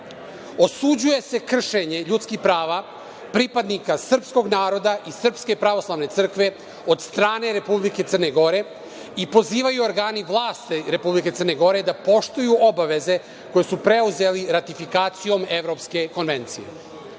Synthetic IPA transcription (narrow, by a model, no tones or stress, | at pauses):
o̞sud͡ʑuje̞se̞kr̩ʃe̞ɲe̞ʎut̪skixpɾaːʋa | pɾipad̪nikasr̩psko̞ɡnaːɾo̞d̪aʔisr̩pske̞pɾaʋo̞slˠaʋne̞t̪sɨr̩kʋe̞ | o̞d̪st̪ɾaːne̞ɾe̞publike̞t̪sərne̞ɡo̞ɾe̞ | ipo̞ziːʋajuoɾɡaːniʋlˠaːst̪eɾe̞publikeərneɡo̞ɾe̞d̪apo̞ʃt̪ujuʔobaʋe̞ze̞ | ko̞jesupɾe̞uze̞liɾat̪ifikaːt̪sijo̞me̞ʋɾo̞pske̞ko̞nʋe̞nt̪sije̞̰